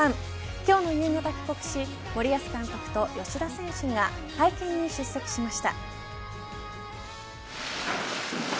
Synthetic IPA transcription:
ãɴ | kʲo̞ːno̞jɯːŋat̪akʲi̥ko̞kɯ̟̥ɕi | mo̞ɾʲiasɨ̥kãŋkokɯ̟̥t̪o̞jo̞ɕid̪asẽ̞ɰ̃ɕɨɡa | haikẽ̞ɲ̟ːiɕɨsːo̞kɯ̟̥ɕimaɕi̥t̪a̰

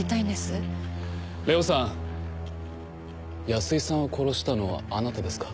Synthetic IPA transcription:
it̪aĩnd̪e̞sɨ | ɾe̞osã | jasɨisãɰ̃o̞kʰo̞ɾo̞ɕi̥t̪ano̞βa̰ːnat̪ad̪e̞sɨ̥kḁ

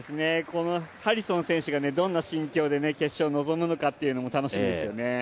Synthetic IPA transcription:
sɨneko̞no̞haɾʲisõ̞ñsẽɰ̃ɕɨɡane̞d̪õ̞nːaɕĩŋkʲo̞ːd̪e̞ne̞ke̞ɕːo̞ːno̞zo̞mɯ̟no̞kat̪ːe̞iɯ̟no̞mo̞t̪ano̞ɕimĩd̪e̞sɨjone̞

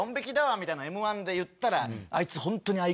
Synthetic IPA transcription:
õmbekʲid̪aβamʲit̪ainaemɯ̟βãnd̪e̞jɯ̟t̪ːaɾaa̰it͡sɨhõ̞nt̪o̞ɲ̟iai

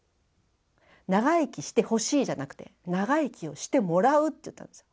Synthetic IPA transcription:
naɡaikʲiɕi̥t̪e̞ho̞ɕiːʑanakɯ̟̥t̪e̞naɡaikʲio̞ɕi̥t̪e̞mo̞ɾaɯ̟t̪ːeiɯ̟t̪ːã̰nd̪esɨ̥jo

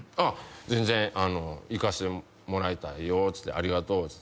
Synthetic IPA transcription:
azẽ̞nzẽ̞ɰ̃ano̞ikaɕi̥t̪e | mo̞ɾait̪ajot͡sɨ̥t̪ːeʔaɾʲiɡat̪o̞ːt͡sɨ̥t̪

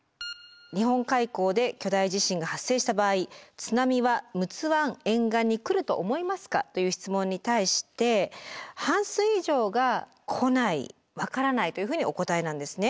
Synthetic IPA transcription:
ɲ̟iɦõ̞ŋkaiko̞ːd̪e̞kʲo̞d̪aiʑiɕĩŋɡahasːe̞ːɕi̥t̪abaːit͡sɨnamʲiβamɯ̟t͡sɨβãŋ̃ẽ̞ŋɡãɲ̟ːikɯ̟ɾɯ̟t̪o̞ʔomo̞imasɨ̥ka̰t̪o̞jɯ̟ːçi̥t͡sɨmõ̞ɲ̟ːit̪aiɕi̥t̪e̞hãɰ̃sɨiʑo̞ːɡa | kʰo̞naḭ | βakaɾanait̪o̞jɯ̟ɸɯ̟ːɲ̟io̞ko̞t̪aenãnd̪e̞sɨne

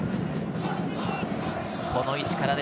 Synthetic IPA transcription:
kʰo̞no̞it͡ɕi̥kaɾad̪

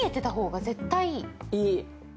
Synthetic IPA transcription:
et̪ːe̞t̪aɦo̞ːɡaze̞t̪ːaiiː

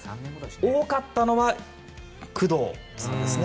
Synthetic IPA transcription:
oːkat̪ːano̞βa | kɯ̟d̪oː

